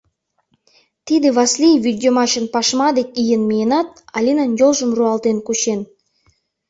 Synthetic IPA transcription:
t̪id̪eβɑslʲijvʲid̪ʲomɑʃənpɑʃmɑd̪ek̚ʲijənmʲeenɑt̪̚ɑ̰lʲinənjolˠʒə̆mruɑlˠt̪enkuɕen

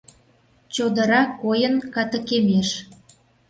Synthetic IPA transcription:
t͡ɕod̪ə̆ɾɑkːojənkɑt̪ə̆kemeʃ

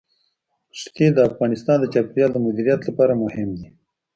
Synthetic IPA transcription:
ʃt̪id̪əafɣɑnɪst̪ɑːnd̪ət͡ʃɑpɾjɑld̪əmʊd̪iɾijat̪lapɑːɾamʊhɪmd̪i

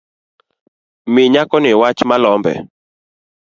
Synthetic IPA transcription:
mɪɲakɔnɪwat͡ʃmalɔmbɛ̰

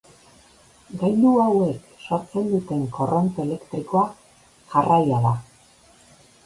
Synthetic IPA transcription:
ɡajnuawe̞k | ʃaɾt͡se̞nd̪ut̪e̞ŋko̞rʔo̞nt̪ele̞kt̪ɾiko̞a | ʝarʔajaða

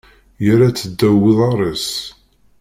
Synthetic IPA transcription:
jæɾat͡sːəd̪ːæwːiðˤɑɾˤes

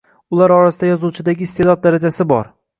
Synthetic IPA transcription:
ʊlaɾɒɾasɪd̪ajɒzuwt͡ʃʰɪd̪aɡʲɪːst̪ʰed̪ɒd̪̚d̪aɾad͡ʒasɪbɒɾ

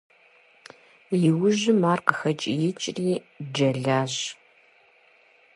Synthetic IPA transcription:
jɪwʊʒɪmaːrqəxɐt͡ʃʼijɪt͡ʃʼriː | d͡ʒɐɮaːɕ

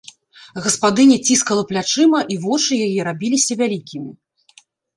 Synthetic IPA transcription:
ɣɐspad̪ɨnʲɛt͡sʲiskɐlˠɐplʲat͡ʂɨmɐʔivɔt͡ʂɨjajɛɾabʲilʲisʲɐvʲalʲikʲimʲi

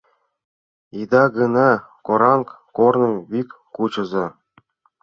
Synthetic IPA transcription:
id̪ɑɡɤ̆nɑkoɾɑŋk | kornɤ̆βikʲːut͡ɕɤ̆zɤ̆

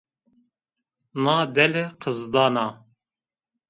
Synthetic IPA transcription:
nɑːd̪ɛleqʰəzd̪ɑːnɑː

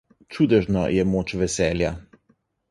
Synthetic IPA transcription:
t͡ʃuːd̪ɛʒnɔ̰jɛmoːt͡ʃʋɛsɛːlja

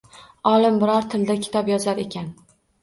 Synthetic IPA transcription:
ɒlˠɪmbɪɾɒɾt̪ʰɪld̪akʲʰɪ̥t̪ʰɒpjɒzaɾe̞kʲan

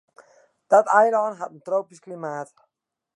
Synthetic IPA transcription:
d̪̥at̪ajɾɔnχat̪n̩t̪ɾowpiʃklimaːt̪

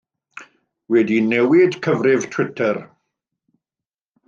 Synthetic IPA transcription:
wɛdinɛwɪd̥kʰəvrɪv̥tʰwɪtʰɛr

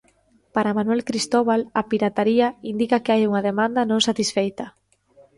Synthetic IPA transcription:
paɾamanwɛlkɾist̪oβalɐpiɾat̪aɾiaind̪ikɐkeajuŋɐðemãnd̪ɐnõŋsat̪isfejt̪ɐ

